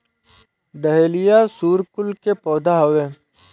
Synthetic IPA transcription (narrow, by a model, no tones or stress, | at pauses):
ɖəɦeːlɪjaːsuːɾkʊlkepɔːd̪ʱaɦɐʋeː